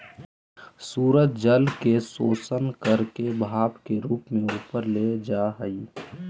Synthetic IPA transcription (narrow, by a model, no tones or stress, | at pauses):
suːɾət̪̚d͡ʒəlkesoːsənkəɾkebʱaːbkeɾuːpmẽuːpəɾled͡ʒaɦəi